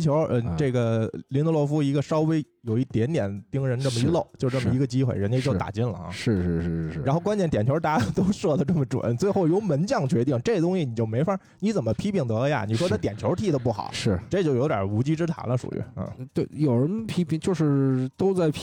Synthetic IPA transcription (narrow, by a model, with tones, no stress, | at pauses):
t͡ɕʰjo˧˥ʊə˧ʈ͡ʂe˥˩ɡə˩li˧˥no˧˥lwɔ˥˩fu˥i˧˥ɡə˧ʂɑ˥ʊwe˥ɪ | jo˨˩ʊi˥˩t̪jɛ˧˥nt̪jɛ˨˩˦nt̪i˥ŋɻə˧˥nʈ͡ʂə˥˩mə˩i˧˥lo˥˩ʊt͡ɕjo˥˧ʊʈ͡ʂɤ˥˩mə˩i˧˥ɡə˧t͡ɕi˥xwe˥˧ɪɻə˧˥nle˥˧ɪt͡ɕjt̪a̰˨˩t͡ɕi˥˩nlə̰˩˧˥ʂɻ̩˥˧ʂɻ̩˥˩ʂɻ̩˥˩ɻɻ̩˥˩a˧˥xo˥˧ʊkwa˥nt͡ɕɛ˥˩nt̪jɛ˨˩nt͡ɕʰo˧˥t̪a˥˧˩t̪o˥ʊʂwɔ˥˩d̪ə˩ʈ͡ʂə˥˩mə˩ʈ͡ʂwa̰˨˧˩nt͡swe˥˧ɪxo˥˩ʊjo˧˥ʊmə˧˥nt͡ɕjɑ˥˩ŋt͡ɕɥɛ˧˥t̪i˥˩ŋʈ͡ʂɤ˥˩ɡə˩t̪ʊ˥ŋɕi˨˩ni˨˩t͡ɕjo˥˩ʊme˧˥ɪfa˥˩ | ni˧˥t͡sə˨˩nmə˦pʰi˥pʰi˥˩ŋt̪ɤ˧˥lə˧ja̰˩ni˨˩ʂwɔ˥t͡sa˥ɪt̪jɛ˨˩nt͡ɕʰjo˧˥ʊ˥t̪ʰi˥˩d̪ə˧˩p̬u˥˩xɑ̰˨˩˦ʂɻ̩˥˩ʈ͡ʂɤ˥˧t͡ɕjo˥˩ʊjo˧˥t̪ʲjə̰˨˩u˧˥t͡ɕi˥ʈ͡ʂɻ̩˥t̪ʰa̰˧˥nlə˧ʂṵ˨˩y̰˧˩n̩̰˥˩t̪we˥˩ɪjo˨˩ʊɻə˧˥npʰi˥pʰi˧˩ŋt͡ɕjo˥˧ʊʂɻ̩˥˧t̪o˥ʊt͡sa˥˩ɪpʰ